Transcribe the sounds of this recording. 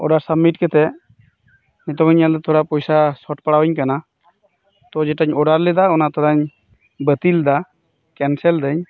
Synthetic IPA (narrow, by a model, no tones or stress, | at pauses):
ɔ̰ɖaɾsəbmːiʈkɛt̪ɛ | nɛt̪ɔɡɔɲald̪ɔt̪ʰɔɽapɔjsasɔʈpaɽawɔɲkana | t̪ɔd͡ʒɛʈaɲɔɖaɾlɛd̪aɔnat̪ʰɔɾaɲ | bət̪ild̪a | kɛnsɛld̪əɲ